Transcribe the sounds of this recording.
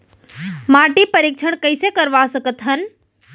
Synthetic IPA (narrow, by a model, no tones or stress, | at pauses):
maːʈipəɾikt͡ʃʰəɳ̃kəɪsekəɾʋasəkət̪ɦən